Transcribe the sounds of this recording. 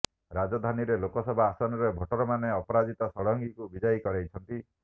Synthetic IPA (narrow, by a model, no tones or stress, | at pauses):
ɾad͡ʒɔd̪ʱaniɾelokɔsɔbʱaːsɔnɔɾebʱɔʈɔɾɔmaneɔpɔɾad͡ʒit̪ɔsɔɽɔŋɡikubid͡ʒajkɔɽejt͡ʃʰɔnt̪i